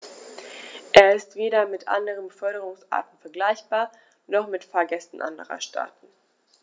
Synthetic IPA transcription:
ʔeːɐɪstv̥eːɾɐmɪtʔa̰ndəʁ̞ənfœɐɾəʁ̞ʊŋsʔa̰ɐtn̩fɛɐɡlaɪçb̥aːɐ | nɔχmɪtfaɐɡɛstn̩ʔa̰ndə̰ʁɐ̰ʃtʰa̰ːtn̩

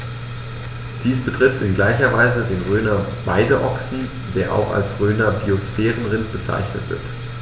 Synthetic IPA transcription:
d̥iːsb̥ətʁ̥ɪftɪnɡlaɪçɐva̰ɪzədeːnʁøːnɐbaɪdəʔɔksn̩ | deːɐʔa̰ʊxa̰lsʁøːnɐbiosfɛːʁənʁɪntb̥ət͡sa̰ɪçnə̰tv̥ɪ̰ɐt

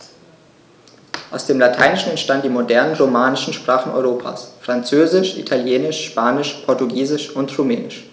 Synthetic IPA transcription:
ʔaʊsd̥eːmlatʰaɪnɪʃn̩ɛntʃtandnd̥iːmodɛɐnənʁomaːnɪʃn̩ʃpʁ̥aːχn̩ɔ̰ʏʁoːpʰa̰ːsfʁ̥ant͡søːzɪʃʔḭtʰaljeːnɪʃʃpaːnɪʃpʰɔɐtuɡiːzɪʃʊntʁumɛːnɪʃ

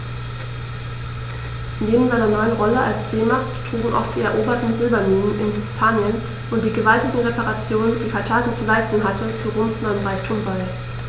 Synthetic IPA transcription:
neːbm̩zaɪnɐnɔʏənʁɔləʔalsz̥eːmaχttʁ̥uːɡŋ̩ʔa̰ʊxd̥iːɛɐʔoːbɐtn̩zɪlbɐniːnənʔɪnɦɪspʰaːnjən | ʔʊnt̚d̥iːɡəvaltɪɡŋ̩ʁepaʁat͡sjoːnənd̥iːfaɐtʰaːkn̩t͡sulaɪstn̩ɦatʰət͡suʁoːmsnanbaɪtʰumval

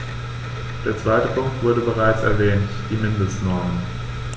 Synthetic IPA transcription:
d̥eːɐt͡sv̥aɪtəpʰʊŋk̚tv̥ʊɐdɾəbəʁaɪt͡sɛ̰ɐvɛːntd̥iːmɪndəstnɔɐmən

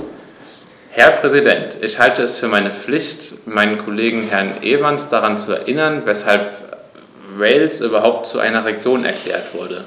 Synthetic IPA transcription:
hɛɐpʁ̥ɛzidɛntʰɪçhaltəɛsfyːɐmaɪnəp͡flɪçtmaɪnənkʰɔleːɡŋ̩ɦɛɐnʔeːvansd̥aʁant͡suɛ̰ɐʔɪnɐnvɛshalp | ʁeɪlsʔyːbɐɦaʊp̚tt͡suʔa̰ɪnɐʁeɡjoːnʔɛ̰ɐkʰl̥ɛ̰ːɐtv̥ʊɐdə

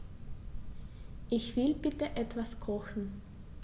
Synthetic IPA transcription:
ʔɪçv̥ɪlbɪtəʔɛtv̥askʰɔxn̩

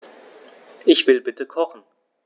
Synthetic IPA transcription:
ʔɪçv̥ɪlbɪtəkʰɔχn̩

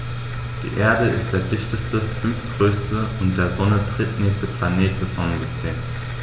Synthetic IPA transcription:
d̥ḭːʔeːɐdəʔɪ̰std̥eːɐdɪçtəstəfʏnfɡ̥ʁøːstəʊntd̥eːɐzɔnətʁ̥ɪtnɛːçstəpl̥aneːt̚d̥ɛsz̥ɔnənzʏstʰeːms

